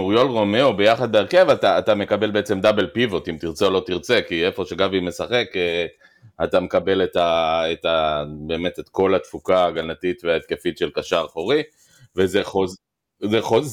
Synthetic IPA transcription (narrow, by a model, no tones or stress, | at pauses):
uʁjo̞lʁo̞meobe̞jaχad̪̚beeʁke̞vat̪aːt̪ame̞kabe̞lbeet͡se̞md̪abe̞lpivo̞t̪imt̪iʁt͡seo̞lo̞t̪iʁt͡se̞kie̞fo̞ʃe̞ɡavime̞saχe̞ke | at̪ame̞kabe̞let̪aet̪abe̞ːme̞t̪et̪ko̞lat̪fukaaɡalnat̪it̪veaet̪̚ke̞fit̪ʃe̞lkaʃaʁχoʁi | vezeχoz | zeχoz